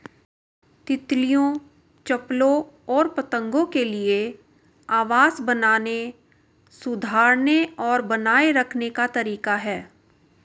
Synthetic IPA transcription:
t̪ɪt̪lijõ | t͡ʃɐplõɔːɾpɐt̪ə̃ŋɡõkelie | aːʋaːzbɐnaːne | sʊd̪ʱaːɾneɔːɾbɐnaːeɾɐkʰnekat̪ɐɾiːkaɦɛː

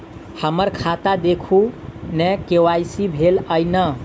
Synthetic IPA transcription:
həməɾkʰat̪ad̪ekʰunɛkewajsibʱeləjnə

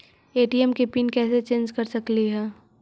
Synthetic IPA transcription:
eːʈiɛmkepiːnkɛːset͡ʃẽːnd͡ʒkɐɾsɐkliɦɛː

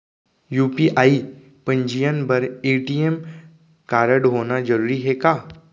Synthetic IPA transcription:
juːpiʔaːi | pə̃ɲd͡ʒijənbəɾeːʈiem | kaːɾəɽɦoːnad͡ʒəɾuːɾiɦekaː

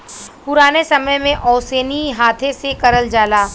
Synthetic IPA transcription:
pʊɾaːnesɐməjmẽʔɔːseːniɦaːt̪ʰẽsekɐɾəld͡ʒaːlaː

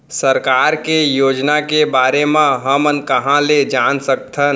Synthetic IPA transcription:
səɾkaːɾkejoːd͡ʒnakebaːɾemãɦəmənkəɦãled͡ʒansək̚t̪ʰən

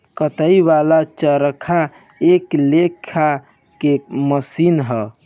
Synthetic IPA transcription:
kət̪əiʋalat͡ʃəɾəkʰa | eklekʰa | keməsinɦə

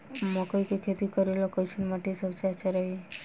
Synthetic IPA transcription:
mɔkəikekʰet̪ikəɾelokət͡ʃʰunmaʈisəbt͡ʃat͡ʃaɾəɦi

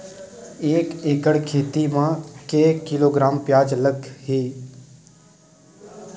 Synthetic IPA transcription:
eːkeːkəɽkʰeːt̪imãːkeːkɪloːɡɾaːmpjaːd͡ʒləɡɦiː

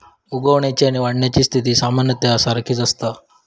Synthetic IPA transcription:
uɡəʋɳjat͡ɕiaɽ̃iʋaɽɳjat͡ɕiːst̪ʰit̪iːsamanjət̪jaəsaɾəkʰiːt͡səst̪a

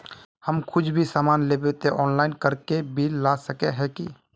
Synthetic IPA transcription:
həmkʰʊd͡ʒbʱisaːmaːnleːbet̪eʔɔːnlaːɪnkəɾkebʱiːaːsəkeɦɛki

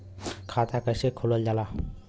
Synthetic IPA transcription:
kʰat̪ʰakajsekʰulɔld͡ʒala

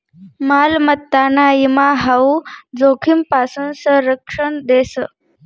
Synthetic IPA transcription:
maːlmət̪ːanaimaɦaud͡zokʰimpasuːnsə̃ɾəkʂəɳd̪esə

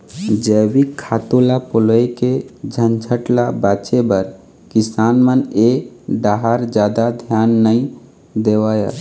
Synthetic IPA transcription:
d͡ʒəwikʰːat̪olapoləjked͡ʒʱənd͡ʒʱʰəʈlabat͡ʃebəɾ | kisaːnməneɖaɦaɾd͡ʒjad̪ad̪ʱjanːəĩ | d̪ewaja̰

